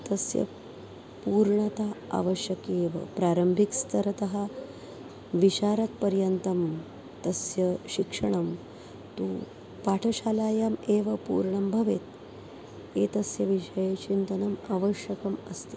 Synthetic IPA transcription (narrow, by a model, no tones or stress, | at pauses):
t̪ɐsjɐ̰ | puːɾɳɐt̪aa̰ʋɐɕjɐkeːʋɐ̰pɾaːɾɐmbʱikst̪ʰɐɾɐt̪ɐɦɐ | ʋiɕaːɾɐt̪̚pɐɾjɐnt̪ɐm | t̪ɐsjɐɕikʂɐɳ̃ɐm | t̪u | paʈʰɐɕaːlaːjameːʋɐpṵːɾɳɐmbʱɐʋet̪ | eːt̪ɐsjɐʋiʂɐjet͡ʃint̪ɐnɐmaʋɐɕjɐkɐmɐst̪e